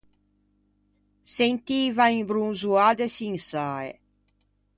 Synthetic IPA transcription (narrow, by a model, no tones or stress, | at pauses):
sent̪iːvaiŋbɾuŋzuad̪esiŋsaːḛ